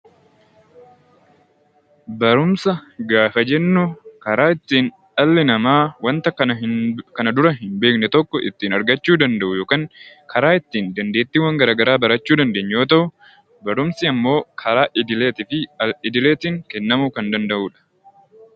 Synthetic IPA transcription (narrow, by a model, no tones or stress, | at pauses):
bɐɾʊmsɐɡaːfɐd͡ʒɛnːʊkɐɾaːɪt̪ːiːn | ɐlːɪnɐmaːwɐnt̪ɐkːɐnɐkɐnɐd̪ʊɾɐɦɪmbe̞ːknɛt̪ɔkːɔʔɪ̰t̪ːiːnɐɾɡɐt͡ʃːuːd̪ɐnd̪ɐʔʊjo̞ːkaːŋkɐɾaːɪt̪ːiːnd̪ɐnd̪e̞ːt̪ːɪwɐŋɡɐɾaːɡɐɾaːbɐɾɐt͡ʃːuːd̪ɐnd̪e̞ːɲːjo̞ːt̪̬ɐʔʊ | bɐɾʊmsɪɐmːo̞ːkʰɐɾaːʔɪd̪ɪle̞ːt̪ɪfɪɪd̪ɪle̞ːt̪ɪŋkɛnːɐmuːkɐnd̪ɐnd̪ɐʔuːᶑɐ̥